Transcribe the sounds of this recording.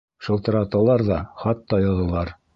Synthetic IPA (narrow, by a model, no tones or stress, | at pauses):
ʃɤ̆lˠt̪ɤ̆ɾɑt̪ɑlˠɑɾðɑχɑt̪ːɑjɑ̆ðɤ̆lˠɑɾ